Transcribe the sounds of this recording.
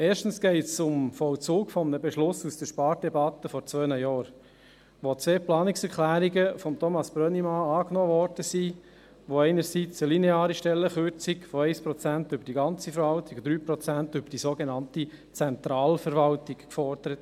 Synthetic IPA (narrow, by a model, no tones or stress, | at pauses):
eːɾʃtən̩sɡ̥ɛɪtsʊmfɔwt͡suːkfɔmənəbɛʃlʊsusd̥əɾʃpɑːɾdɛbɑt̪əfɔɾt͡sʋœːnəjɔːɾ | ʋot͡sʋeːplɑːnɪksɛɾkʰlæːɾiɡəfɔmt̪ʰɔmɑsb̥ɾœnimɑɑːknɔːʋɔɾd̥əsi | ʋoɛɪnəɾsit͡səlineɑːɾiʃtɛlːəχøɾt͡sikfɔɛɪspɾɔt͡sæntʏbəɾd̥iɡɑnt͡sifəɾʋɑltiɡd̥̪ɾyːpɾɔt͡sæntʏbəɾd̥isoɡenɑnti | t͡sɛnt̪ɾɑːlfəɾʋɑltikkfɔɾd̥̪əɾət̪